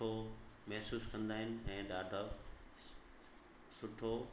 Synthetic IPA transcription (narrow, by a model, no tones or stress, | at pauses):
omɛɦsuːskɐ̃nd̪aːɦɪnɪ̆ɛ̃ːɖaːɖʱə | sʊʈʰo